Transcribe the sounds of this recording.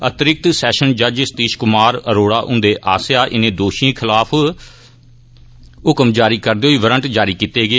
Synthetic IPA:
ət̪ɾɪk̚t̪sɛːʃənd͡ʒəd͡ʒɪst̪iːʃkʊmaːɾəɾoːɽaːʔʊ̰̃nd̪eːʔaːsjaːʔɪnẽːd̪oːʃĩːkʰɪlaːpʰ | ʊkmd͡ʒaːɾiːkəɾd̪eːɦoiːʋəɾəɳʈd͡ʒaːɾiːkiːt̪eːɡeː

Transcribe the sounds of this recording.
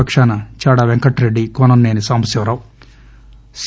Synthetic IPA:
ɐkʂaːnɐt͡ʃaːɽaʋeŋkɐʈɾeɖːikɔnɐnːeːnisɐmɐsjɐʋɾɐw | s

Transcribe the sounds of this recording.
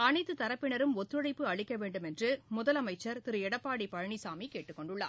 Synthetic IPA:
ɐnɐɪt̪ːɯt̪ɐɾɐpːɪɳɐɾɯmɔt̪ːɯɽɐɪpːɯɐɻɪkːɐʋeːɳɖɯmɛndrɯmʊðɐlɐmɐɪt͡ʃːɐɾt̪ɪɾɯɛɽɐpːaːɽipɐɻɐɳisaːmikeːʈːɯkːɔɳɖɯɭːa̰ː

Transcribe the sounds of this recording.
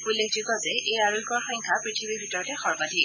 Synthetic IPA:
ulːek̚d͡ʒikɔzɛʔejaɹoikɔɹxɔjŋkʰapɹitʰibiɹbʱitɔɹɔtɛxɔɹbadʱi

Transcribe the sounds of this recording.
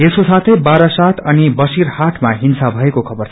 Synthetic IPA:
eskosat̪ʰʌjbaɾʌsat̪ʰʌnibʌsiɾhaʈʰmaɦinsabʱʌekokʰʌbʌrʰ

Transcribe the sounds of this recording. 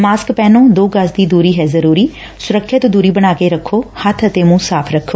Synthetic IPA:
maːskpɛːnõːd̪oːɡəsd̪iːd̪uːɾiːɦɛːzəɾuːɾiː | sʊɾəkʰʃət̪d̪uːɾiːbəɽ̃aːkeːɾəkʰːoːhət̪ʰət̪eːmũːsaːpʰɾəkʰːoː

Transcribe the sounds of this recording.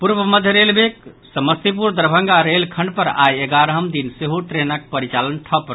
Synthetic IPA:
puɾbəməd̪ʱjəɾelbek̚səməst̪ip̬uɾd̪əɾbʱəŋɡaɾelkʰəɳɖ̚pəɾa̰jeɡaɾəɦəmd̪inseɦuʈɾenək̚pəɾit͡ʃalənʈʰəpː

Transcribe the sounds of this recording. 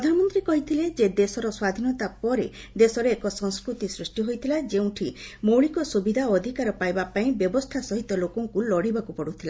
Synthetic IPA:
ɾɔd̪ʱanɔmɔnt̪ɾikɔɦit̪ʰiled͡ʒed̪esɔɾɔswad̪ʱinɔt̪apɔɾe | d̪esɔɾeːkɔsɔŋskɾut̪isɾisʈiɦojt̪ʰilad͡ʒeũʈʰimowɭikɔsubid̪ʱaɔd̪ʱikaɾɔpajbapaĩbjɔbɔst̪ʰasɔɦit̪ɔlokɔŋkulɔɽibakupɔɽut̪ʰila

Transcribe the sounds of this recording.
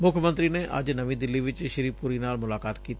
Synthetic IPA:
mʊkʰjəmə̃nt̪ɾiːneʔɐ̰d͡ʒnəʋĩːd̪ɪlːiːʋɪt͡ʃʃɪɾiːpuːɾiːnaːlmʊlaːkaːt̪kiːt̪i

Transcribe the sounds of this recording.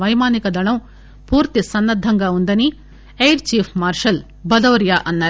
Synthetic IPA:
ʋɐjmaːnikɐd̪ɐɭɐm | puːɾt̪isɐnːɐd̪ʱːɐŋɡɐund̪ɐni | ejɾt͡ʃiːpʰmaːɾʂɐl | bɐd̪ɐʋɐɾjaːʔɐnːɐ

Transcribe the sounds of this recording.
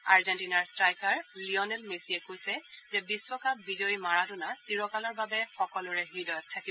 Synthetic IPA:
aɹzɛntinaɹstɹajkaɹliɔnɛlmesiɛkojsɛzɛbiswɔkabizojimaɹadʊnasiɹɔkalɔɹbabɛxɔkɔlʊɹɛɦɹidɔjɔtʰːakibɔ

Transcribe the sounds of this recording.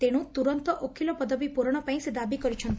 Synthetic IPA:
t̪eɽ̃ũt̪uɾɔnt̪ɔʔokʰilɔpɔd̪ɔbipuɾɔɽ̃ɔpaĩsed̪abikɔɾit͡ʃʰɔnt̪

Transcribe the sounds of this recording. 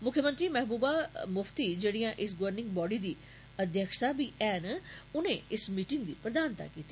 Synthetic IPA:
mʊkʰjəmə̃nt̪ɾiːmɛːɦbuːbaːmʊft̪iːd͡ʒeːɽiːãːʔɪsɡoʋəɾnɪ̃ŋɡ̚bɔːɖiːd̪iː | əd̪ʱjəkʃaːbiːʔɛːnʊnẽːɪsmiːʈɪ̃ŋɡd̪iːpɾəd̪aːnt̪a̰ːkiːt̪i

